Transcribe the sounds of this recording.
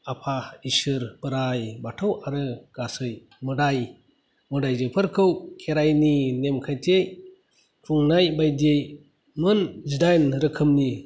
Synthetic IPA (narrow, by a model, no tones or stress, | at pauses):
apʰaisɯɾbɯɾajbatʰɯwaɾɯɡ̥asɯj | mɯdaj | mɯdajzɯpʰɯɾkʰɯwkʰeɾajninemkʰajtʰej | kʰɾuŋnajbajdej | mɯnzidajnɾɯkʰɯmni